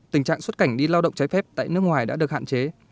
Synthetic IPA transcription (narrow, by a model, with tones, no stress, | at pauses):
t̪i˨˩ŋ̟t͡ɕa̰ː˧˨ŋswə˦˥t̚ka˧˩jŋ̟ɗi˧laː˧wɗə̰˧˨wŋ͡mt͡ɕa˨˦jfɛ˦˥p̚t̪a̰ː˧˨jnɨ˦˥əkŋwaː˨˩jɗa̰ː˧˥ɗək̚ha̰ː˧˨nt͡ɕe˨˦